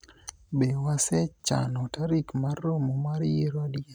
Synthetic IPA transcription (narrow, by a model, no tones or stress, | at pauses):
bewasɛt͡ʃa̰nɔtaɾikmarːomomaɾjiɾɔdje